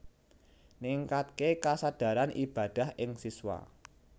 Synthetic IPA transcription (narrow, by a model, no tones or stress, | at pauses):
niŋkat̪̚kekasad̥a̤ɾanʔib̥a̤d̪̥a̤hʔɪŋsiswa̰